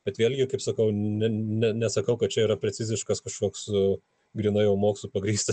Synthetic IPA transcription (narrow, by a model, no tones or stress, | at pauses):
b̥ʲɛt̪ʋʲeːlʲɡʲɪkɐɪpsɐkɐʊnʲɛnʲɛnʲɛsɐkɐʊkɐt̪̚t͡ʃʲɛiːɾɐpʲɾʲɛt͡sʲɪzʲɪʃkɐskɐʃkoːksʊ | ɡɾʲiːnɐjɛʊmoːkslˠupɐɡɾʲiːst̪ɐ